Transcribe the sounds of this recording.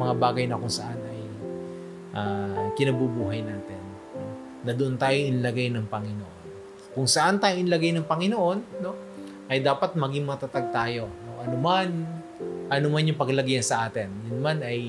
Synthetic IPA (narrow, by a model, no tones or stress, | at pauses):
mɐŋabaːɡɐjnɐkʊŋsɐʔanɐj | ʔaːkɪnɐbubuːɦɐjnaːt̪ɪn | noː | ɐd̪oʔont̪aːjoʔɪnlɐɡajnɐŋpɐŋɪnoʔo̞n | kʊŋsɐʔant̪aːjoʔɪnlɐɡajnɐŋpɐŋɪnoʔo̞nːo̞ | ʔɐjd̪aːpɐt̪̚mɐɡɪŋmɐt̪at̪aɡ̚t̪aːjo̞no̞ʔɐnoman | ʔɐnomanjʊŋpɐɡlɐɡjansɐʔaːt̪ɪnjʊnmanɐj